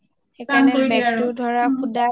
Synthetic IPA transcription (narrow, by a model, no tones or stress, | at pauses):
xɛkʰanɛbɛk̚tʊdʱɔɹakʰuda